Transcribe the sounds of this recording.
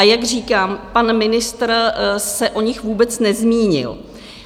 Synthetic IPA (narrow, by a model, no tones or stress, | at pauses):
ajaɡr̝iːkaːmpanmɪnɪst̪rsɛʔo̞ɲɪxvuːbɛt͡snɛzmiːɲɪ̰l